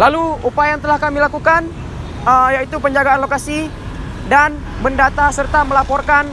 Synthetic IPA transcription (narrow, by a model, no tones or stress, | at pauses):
laluupaajaŋt̪əlahkamilakukan | əjait̪upəɲd͡ʒaɡaːnlokasi | dan | bəndat̪asərt̪aməlapɔrkan